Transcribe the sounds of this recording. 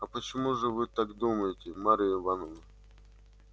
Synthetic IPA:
ɐpət͡ɕɪmuʐɨvɨt̪akd̪uməjɪtʲɪmaɾɨjɪvanɔnə

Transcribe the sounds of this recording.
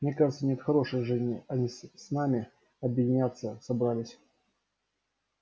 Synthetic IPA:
mnʲekaʐət̪sənʲet̪xɐɾo̞ʂɨjʐɨzʲnʲɪɐnʲisnamʲɪ | ɐbjɪdʲɪnʲat̪sːəsɐbɾalʲɪsʲ

